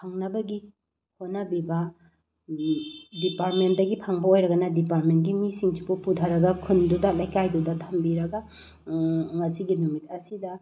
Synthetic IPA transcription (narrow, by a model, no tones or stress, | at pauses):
pʰaŋnɐbɐɡi | honɐbibɐ | dipaɾt̚ment̚dɐɡipʰaŋbɐojɾɐɡɐnɐdipaɾt̚ment̚ɡimisiŋsipupudʰɐɾɐɡɐkʰundudalajkajdudɐtʰɐmbiɾɐɡɐ | ŋɐsiɡinumit̚ɐsidɐ